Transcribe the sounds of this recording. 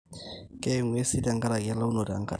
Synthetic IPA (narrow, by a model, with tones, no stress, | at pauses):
ke˦˨ŋwe˦si˦da˦ŋka˦ɾa˨ka˦la˦u˦no˨da̰˨ŋ˦ka̰˦˨